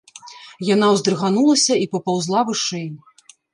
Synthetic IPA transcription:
jan̪awzd̪ɾɨɣanulˠɐsʲɐipɐpawzlˠavɨʂɛj

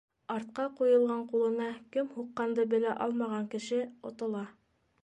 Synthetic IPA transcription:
ɑɾt̪̚qɑqujɤ̆lˠʁɑɴqulˠɤ̆nɑkɘmhuqːɑnd̪ɤbɘ̆læʔɑlˠmɑʁɑŋkɘ̆ʃɘŏ̰t̪ɤ̆lˠɑ

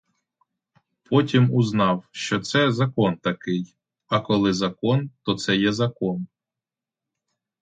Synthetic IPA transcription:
pɔtʲimʊznɑwʃt͡ʃɔt̪sɛzɐkɔnt̪ɐkɪj | ɐkɔlˠɪzɐkɔnt̪ɔt̪sɛjɛzɐkɔn

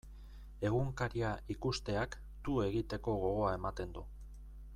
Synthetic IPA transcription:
e̞ɣ̞uŋkaɾiaikust̪e̞ak | t̪ue̞ɣit̪e̞ko̞ɣ̞o̞ɣ̞o̞ae̞mat̪e̞nd̪u

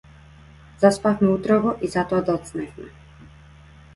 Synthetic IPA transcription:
zaspafmɛut̪ɾɔɡɔʔizat̪ɔad̪ɔt̪snɛfmɛ

